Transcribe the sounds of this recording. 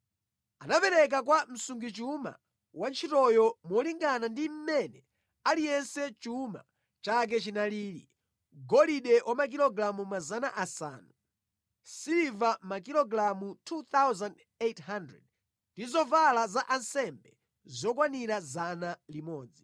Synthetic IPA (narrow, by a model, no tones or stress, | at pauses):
anapɛɾɛk̬ak̬wam̩suŋɡit͡ʃuma̰ | want͡ʃʰitɔjɔmɔliŋɡanandim̩mɛnɛ | alijɛnsɛt͡ʃuma̰ | t͡ʃak̬ɛt͡ʃinaliːɾḭ | ɡɔliɗɛwʔamak̬ilɔɡɾamumazanaʔasa̰ːnu | sivamak̬ilɔɡɾamutʰuθawzand | ethandɹɛ̰d̚ | ndizɔvalazaʔansɛmbɛ | zɔkwaniɾazanalimɔːd͡zi